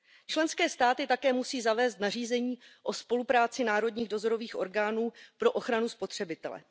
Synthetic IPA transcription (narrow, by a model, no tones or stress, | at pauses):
t͡ʃlɛnskɛːst̪aːt̪ɪt̪akɛːmusiːzavɛːst̪nariːzɛɲiːʔo̞spo̞lupɾaːt͡sɪnaːɾo̞dɲiːɣdo̞zo̞ɾo̞viːxʔo̞ɾɡaːnuːpɾo̞ʔo̞xɾanuspo̞t̪r̥ɛbɪt̪ɛ̰lɛ̰